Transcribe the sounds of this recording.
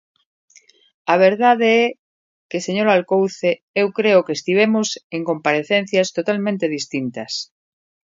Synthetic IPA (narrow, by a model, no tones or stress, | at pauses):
aβ̞eɾð̞aðeɛ | keseɲoɾalkowθe | ewkɾeokest̪iβ̞emoseŋkõmpaɾeθen̟θjast̪ot̪almẽnt̪eð̞ist̪int̪ɐs